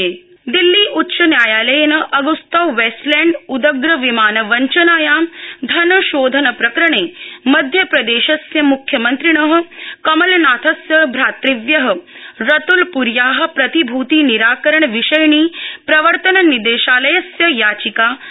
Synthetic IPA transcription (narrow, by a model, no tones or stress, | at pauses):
e | d̪ilːiːʔutːʃɐnjaːjaːlɐjɐnɐʔɐɡust̪ɐwʋeːsʈlɛːɳɖud̪ɐɡɾɐʋimaːnɐʋɐɲt͡ʃɐnaːjaːd̪ʱɐnɐʃoːd̪ʱɐnɐpɾɐkɾɐɳeːmɐd̪ʱjɐpɾɐd̪eːʃɐsjɐmukʰjɐmɐnt̪ɾiɳɐɦɐ̆kɐmɐlnaːt̪ʰɐsjɐbʱɾaːt̪ɾiʋjɐɦə̆ɾɐt̪ulpuɾjaːɦɐ̆pɾɐt̪ibʱuːt̪iːniɾaːkɐɾɐɳʋiʃɐjɳiːpɾɐʋəɾt̪ɐnɐnid̪eːʃaːlɐjɐsjɐjaːt͡ʃikaː